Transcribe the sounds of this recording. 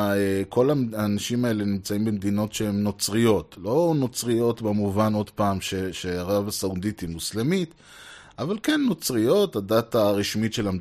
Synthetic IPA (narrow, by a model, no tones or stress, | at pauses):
ekʰo̞laaːnaʃimae̞le̞nimt͡saimbemed̪ino̞tʃehemno̞t͡sʁijo̞t̪lo̞no̞t͡sʁijo̞t̪bemuvano̞d̪paːmʃeʃeaʁavasaud̪it̪imuslemit | avalkenːo̞t͡sʁijo̞t̪adat̪aːʁiʃmitʃe̞lam